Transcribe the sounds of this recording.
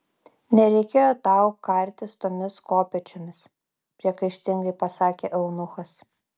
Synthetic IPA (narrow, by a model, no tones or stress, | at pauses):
nʲɛɾʲɛɪkʲeːjoːt̪ɑˑʊkɐɾʲt̪ʲɪst̪oːmʲɪskoːpʲɛt͡ʃʲomʲɪs | pʲɾʲiɛkɐɪʃʲt̪ʲɪŋɡɐɪpɐsɑːkʲeʔɛʊnʊxɐs